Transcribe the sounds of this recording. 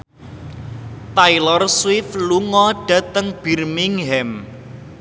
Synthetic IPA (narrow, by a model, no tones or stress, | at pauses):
t̪ailɔrswɪfluŋɔɖ̥ä̤t̪əŋb̥i̤rmiŋɦɛm